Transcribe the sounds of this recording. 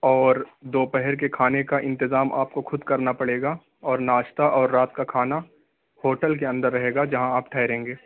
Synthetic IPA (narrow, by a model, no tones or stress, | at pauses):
ɔːɾd̪oːpɛɦɛɾkekʰaːnekaʔɪ̃nt̪ɪzaːmʔa̰ːp̚koxʊd̪kɐɾnapɐɽeːɡaː | ɔːɾnaːʃt̪aʔɔːɾːaːt̪kakʰaːna | hoːʈəlk̬eɐ̃nd̪əɾːɐɦeːɡad͡ʒɐɦãaːp̚ʈʰɛːɪɾẽːŋɡeː